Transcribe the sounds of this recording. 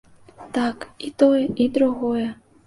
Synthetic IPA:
t̪akit̪ojʔid̪ɾuɣojə

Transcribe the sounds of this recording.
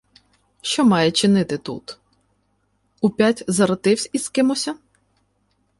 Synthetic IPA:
ʃt͡ʃɔmɑjɛt͡ʃɪnɪt̪ɪt̪ṵt̪ | upʲatʲzɐɾɐt̪ɪwsʲiskɪmɔsʲɐ

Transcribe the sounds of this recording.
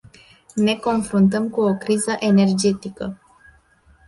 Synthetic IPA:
ne̞ko̞nfɾunt̪̬əmkuokɾizəʔe̞ne̞rd͡ʒe̞t̪ikə

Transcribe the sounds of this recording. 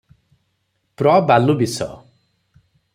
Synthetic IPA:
pɾɔbalubisɔ̰

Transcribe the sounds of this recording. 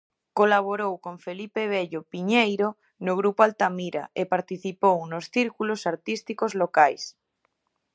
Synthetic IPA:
kolaβ̞oɾowkoɱfelipeβ̞eʎopiɲejɾo | noɣ̞ɾupoalt̪amiɾa̰epaɾt̪iθipownosθiɾkulosaɾt̪ist̪ikozlokajs

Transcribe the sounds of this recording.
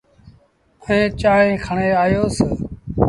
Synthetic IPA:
əẽːt͡ʃaːɳẽːkʰəɳeːaːjoːsə

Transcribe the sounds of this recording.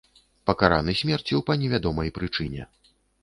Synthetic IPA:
pɐkaɾanɨsʲmʲɛrt͡sʲiwpɐnʲɛvʲad̪ɔmɐjpɾɨt͡ʂɨnʲɛ̰

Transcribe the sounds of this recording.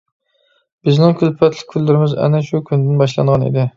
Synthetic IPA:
b̥ɪznɪŋkʰʲylpʰɛt̪ʰlɪ̥k̚ʲʰylːɪɾɪmɪzɛ̰nɛʃukʲʰynd̪ɪnbɑʃlˠɑ̰ɴʁɑnḭd̪ɪ

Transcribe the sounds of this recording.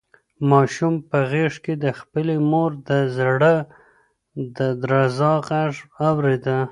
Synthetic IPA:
mɑʃumpəɣeʂked̪əxpəlemoɾd̪əzaɽə | d̪əd̪ɾɑzɑqaʐawɾed̪a

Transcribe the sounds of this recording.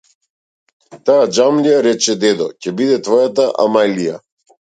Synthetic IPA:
t̪aːd͡ʒamliaɾɛt͡ʃɛd̪ɛd̪ɔ̰cɛbid̪ɛt̪vɔjat̪aʔa̰majlija̰

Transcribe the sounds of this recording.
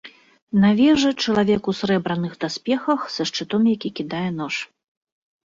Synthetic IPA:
navʲɛʐɛt͡ʂɐlˠavʲɛkusɾɛbɾɐnɨxd̪asʲpʲɛxɐxsɐʂt͡ʂɨt̪ɔmjakʲikʲid̪ajɛn̪ɔʂ

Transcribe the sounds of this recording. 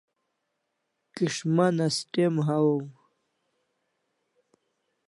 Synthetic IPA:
kiʂmɐnɐsʈemɦawom

